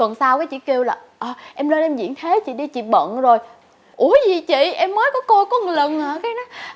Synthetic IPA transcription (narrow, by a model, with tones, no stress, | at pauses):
t̪wə˨˩nsaː˧wkaː˨˦jt͡ɕḭ˧˨ke˧wlaː˨˩ | ʔəː˨˩ʔɛ˧mləː˧nʔɛ˧mzḭ˧˨˥nt̪ʰe˨˦t͡ɕḭ˧˨ɗi˧t͡ɕḭ˧˨ɓə̰˧˨nzo˨˩j | ʔu˧˩əzi˨˩t͡ɕḭ˧˨ʔɛ˧mːəː˨˦jkɔ˨˦ko˧kɔ˨˦˨lə˨˩naː˨˩kaː˨˦jnɔ˨˦j